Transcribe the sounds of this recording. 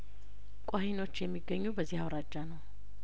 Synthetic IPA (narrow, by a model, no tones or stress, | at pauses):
kʼahino̞t͡ʃːjɛmːiɡːəɲːubəzːihawɾad͡ʒːanəw